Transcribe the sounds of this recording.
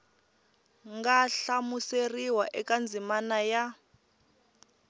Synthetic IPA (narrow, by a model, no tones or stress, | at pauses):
ŋɡaɬamuseriwaʔɛkand͡zʱimanaja